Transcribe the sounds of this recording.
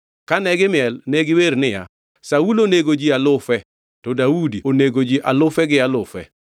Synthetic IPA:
kanɛɡɪmɪɛlneɡɪweɾnɪja̰ | sauloneɡod͡ʒialʊfɛ | tɔdaudioneɡod͡ʒiʔalʊfɛɡɪalʊfɛ̰

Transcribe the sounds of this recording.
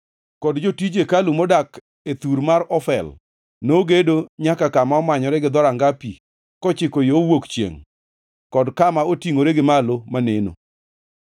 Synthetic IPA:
kɔdd͡ʒotid͡ʒekalumodak | et̪uɾmaɾɔfɛl | noɡedoɲakakamaɔmaɲɔɾɛɡɪd̪ɔɾaŋɡapi | kɔt͡ʃɪkojoowokt͡ʃjḛŋ | kɔdkamaotiŋoɾeɡɪmalomaneno̰

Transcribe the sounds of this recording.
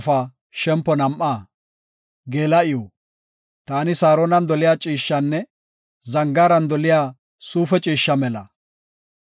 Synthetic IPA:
faː | ʃɛmpːɔnɐmʔaː | ɡe̞ːlɐɪjɔ | t̪aːnɪsaːɾoːnɐnd̪ɔlɪjaːt͡ʃʼiːʃːɐnːɛ | zɐŋɡaːɾɐnd̪ɔlɪjaː | suːfɛt͡ʃʼiːʃːɐmɛlɐ

